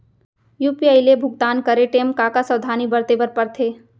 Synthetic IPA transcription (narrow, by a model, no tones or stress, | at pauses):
juːpiaɪlebʱʊɡt̪aːnkɐɾeʈeːmkakasəʋd̪ʱaːnibəɾt̪ebəɾpɐɾt̪ʰeː